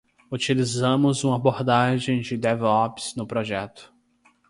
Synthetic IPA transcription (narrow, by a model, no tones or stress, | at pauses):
ut͡ʃilizɐ̃mʊzũmɐaboɾd̪aʒẽj̃d͡ʒɪd̪ɛvɔpsnʊpɾoʒɛt̪ʊ̥